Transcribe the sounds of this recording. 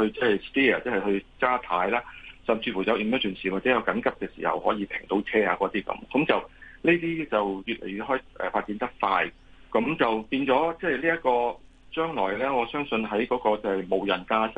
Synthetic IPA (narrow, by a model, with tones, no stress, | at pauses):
hɵ˧ɥt͡sɛ˥hɐ˨jst̪iː˥ɐ˨t͡sɛː˥hɐ˨jhɵ˧ɥkaː˥t̪ʰaː˨˥jlaː˥sɐ˨mt͡sʰiː˧fuː˨˩jɐ˨˧wʔi˨˩møː˥t̪yː˨˩nsiː˨˩waː˨tt͡sɛ˨˦˥jɐ˨˧wkɐ˨˥nkɐ˥p̚kɛː˧sḭː˨˩hɐ̰˨whɔː˨˥jiː˨˧pʰɪ˨˩ŋt̪o˨˥wt͡sʰɛː˥aː˧kɔː˨˧˥t̪iː˥kɐ̰˨˥mkɐ˨˥mt͡sɐ˨wleː˥t̪iː˥t͡sɐ˨wjyː˨t̚lḛ˨˩jy˨˧t̚ɦɔː˥jʔɛ̰ː˨faː˧t̚t͡siː˨˥nt̪ɐ˥k̚faː˧j | kɐ˨˧˥mt͡sɐ˨wpiː˧nt͡sɔː˨˥t͡sɛː˥˨jliː˥jɐ˥t̚kɔː˧ | t͡ʃœː˥ŋlɔ̰ː˨˩jlɛː˥ŋɔː˨˧sœː˥ŋsɵ˧nɦɐ˨˥jkɔː˨˥kɔː˧t͡sɛ˥˨jmo˨wjɐ˨˩nkaː˥s